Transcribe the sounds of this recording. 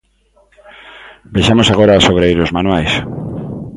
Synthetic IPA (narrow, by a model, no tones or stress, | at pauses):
beʃamosaɣoɾaosoβɾejɾozmãnwajs